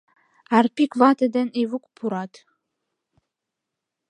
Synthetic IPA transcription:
arpʰikʰʼvatʰʼadɐnivukʷʼpʰuɾatʰʼ

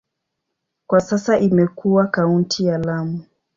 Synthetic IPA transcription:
kwasasaʔimɛkuwakauntʰijalamu

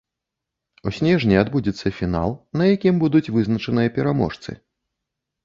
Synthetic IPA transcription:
usʲnʲɛʐnʲiad̪bud͡zʲit̪sːɐfʲina̰lˠnɐjakʲimbud̪ut͡sʲvɨznɐt͡ʂɐnɨjɐpʲɛɾamɔ̰ʂt̪sɨ̰

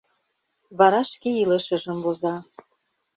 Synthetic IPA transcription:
βɑɾɑʃkeilə̆ʃə̆ʒə̆mβozɑ

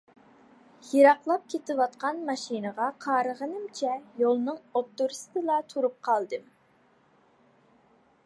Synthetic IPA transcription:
jiɾɑqlˠɑp̚kʲʰet̪ɪwɑt̪qʰɑnmɑʃinəʁɑqʰɑːɾəʁənɨmt͡ʃʰɛjolˠnɨŋot̪ːuɾst̪ɨlˠɑt̪ʰuɾup̚qʰɑlˠd̪ɨm

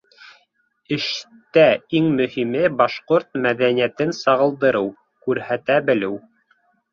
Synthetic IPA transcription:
ɘ̆ʃ | t̪æiŋmɵ̆himɘbɑʃqoɾt̪̚mæðænijæt̪ɘnsɑʁɤ̆lˠd̪ɤ̆ɾɤw | kʉɾhæt̪æbɘ̆lɘw

